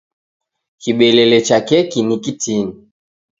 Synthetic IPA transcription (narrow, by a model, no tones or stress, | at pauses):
kiɓɛlɛlɛt͡ʃakɛkinikitini